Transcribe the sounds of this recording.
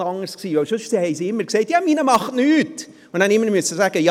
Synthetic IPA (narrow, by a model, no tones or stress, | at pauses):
ɑŋːəɾsksiːvɛʊʃʏʃtihɛɪsiɪmːəɾkseɪtjɑminəmɑχtnyːt | ʊnnænɪmːəɾmyəsəsæɡ̥əjɑ